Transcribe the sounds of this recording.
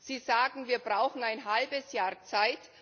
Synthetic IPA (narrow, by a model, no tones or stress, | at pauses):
z̥iːzaːɡŋ̩viːɐbʁaʊxn̩aɪnɦalbəsjaːɐt͡saɪt